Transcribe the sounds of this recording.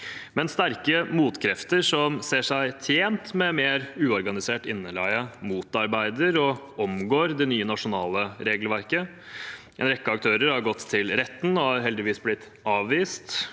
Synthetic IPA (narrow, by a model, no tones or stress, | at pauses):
mɛnst̪æɾkəmuːt̪kʰɾɛft̪əɾʂɔmseːʂæɪt̪ʰjeːnt̪mɛmeːɾʉːɔɾɡɑnɪseːʈɪnːəlæɪəmuːt̪ɑɾbæɪd̪əɾɔ | ɔmɡoːɾd̪ɛnyːənɑʂʊnɑːləɾeːɡəlʋæɾkə | ʔɛ̰nɾɛkːəɑk̚t̪ʰøːɾəɾhɑɾɡɔt̪ʰːɪlɾɛt̪ːn̩ɔɑɾɦɛld̪ɪʋiːsblɪt̪ː | ɑːʋʋiːst̪